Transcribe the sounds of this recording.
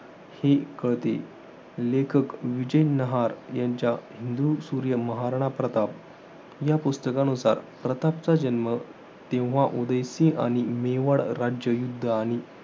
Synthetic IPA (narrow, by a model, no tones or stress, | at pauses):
hekəɭt̪ḛ | lekʰəkʋid͡ʑəjnəɦaɾjaɲt͡ɕjaɦind̪usuɾjəməɦaɾɳ̃apɾət̪ap̚ | japust̪əkãnusa̰ɾpɾət̪ap̚t͡sad͡ʑənmə | t̪ẽʋʋ̤aʔud̪əjsĩʔa̰ɽ̃imeʋəɽɾad͡ʑjəjud̪ʱːəaɽ̃i